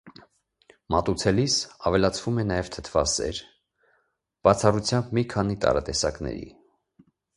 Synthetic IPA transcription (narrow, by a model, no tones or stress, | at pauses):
mɑt̪ut͡sʰɛlisɑvɛlɑt͡sʰvumɛnɑjɛvt̪ʰə̥t̪ʰvɑsɛ̰ɾ | b̥ɑt͡sʰɑrut͡sʰjɑmbmikʰɑnit̪ɑ̰ɾɑt̪ɛsɑknɛ̰ɾḭ